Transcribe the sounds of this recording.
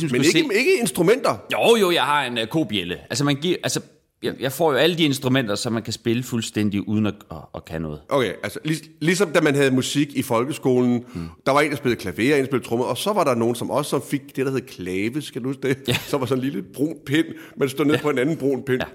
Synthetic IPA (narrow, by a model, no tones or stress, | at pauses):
smd̥umeɡeee̝ɡ̥əe̝nsd̥ʁumen̰d̥ɐjoʊjo̝jɑ̈ɪhɑ̈e̝nkʰo̝̰ːb̥ieləʔæls̬əmænɡ̥iɐʔælsə | jɑjɑ̈ɪfɒ̰ːjo̝æləd̥ie̝nsd̥ʁumen̰d̥ɐsɒ̽mːænkʰæsb̥e̝ləfulsd̥en̰d̥iʔuːð̞ˠn̩ɒɒ̽ːkʰænɔ̽ːð̩ˠʔokʰeʔælsəlislis̬ɒ̽md̥æmænɦæð̞̩ˠmusiɡ̥ifɒ̽lɡ̥əsɡ̥o̝̰ːln̩d̥ɑ̈ʋɑ̈e̝ːnd̥sb̥e̝lð̩ˠkʰlæʋe̝̰ɐensb̥elð̩ˠt͡sʰʁɔ̽mð̩ˠɒ̽sɒ̽ʋɑ̈ɾɑ̈no̝ːn̩sɒ̽mʔɒ̽sə̥sɒ̽mfe̝ɡ̥̚d̥e̝d̥ɑhe̝ð̩kʰlɛːʋəsɡ̥æd̥uusd̥eæsɒ̽mʋɑ̈sɒ̽n̩liːləb̥ʁo̝̰ːnpʰen̰ | mænsd̥o̰nḛpʰɒ̽e̝nænn̩b̥ʁo̝̰ːnpʰen